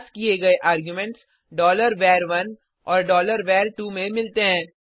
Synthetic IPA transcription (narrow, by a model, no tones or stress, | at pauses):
skieɡɐeʔaːɾɡjumɛ̃ɳʈs | ɖɔːləɾʋɛːɾʋɐn | ɔːɾɖɔːləɾʋɛːɾʈuːmẽmɪlt̪eɦɛ̃ː